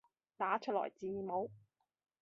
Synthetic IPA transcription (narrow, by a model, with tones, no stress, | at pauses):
t̪aː˨˥t͡ʃʰɵ˥t̚lɔ̰ː˨˩jt͡siː˧iː˨˧mo˨˥w